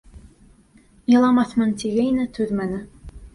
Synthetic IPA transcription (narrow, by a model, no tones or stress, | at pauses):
jɤ̆lˠɑmɑθmɤ̆nt̪iɣɘjnɘt̪ʰʉðmænɘ̆